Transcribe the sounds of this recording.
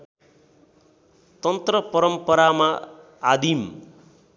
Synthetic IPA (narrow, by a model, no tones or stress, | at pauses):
t̪ʌnt̪rʌpʌɾʌmpʌɾamaː | d̪im